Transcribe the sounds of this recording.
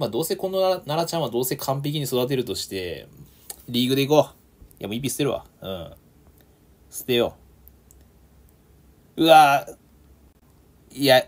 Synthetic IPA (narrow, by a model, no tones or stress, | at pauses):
mad̪o̞ːse̞ko̞nːoanaɾat͡ɕãɰ̃βad̪o̞ːse̞kʰãmp̬ekʲiɲ̟iso̞d̪at̪̬e̞ɾɯ̟t̪o̞ɕi̥t̪e̞̰ | ɾʲiːɡɯ̟d̪e̞iko | ja̰moip̬ʲːisɨ̥t̪ːeɾɯ̟βa̰ɯ̟̰̃ | sɨ̥t̪ːejo | ɯ̟a | ja